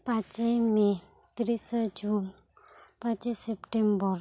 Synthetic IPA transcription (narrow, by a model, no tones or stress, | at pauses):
pat͡ʃəjmet̪ɾisəd͡ʒun | pət͡ʃisːepʈembəɾ